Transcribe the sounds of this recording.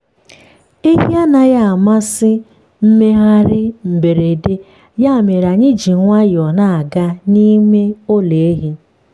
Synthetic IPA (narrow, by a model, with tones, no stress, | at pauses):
e˦ɦi˦a˦na˨ja˦a˨ma˦sɪ˦ | m̩˦me˦ɦa˦ɾɪ˦m̩˨be˨ɾe˨de˦ | ja˦˨me˨ɾa˨ɲɪ˦d͡ʒi˨ŋʷa˦jɔ˨na˦˨a˨ɡa˦ni˦me˦o˦le˨e˦ɦi˦